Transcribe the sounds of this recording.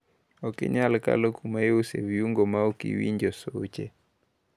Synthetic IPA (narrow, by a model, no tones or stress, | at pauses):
ɔkiɲalka̰lɔkʰumaeusɛviuŋɡɔmaukḭwḭɲd͡ʒɔsot͡ʃɛ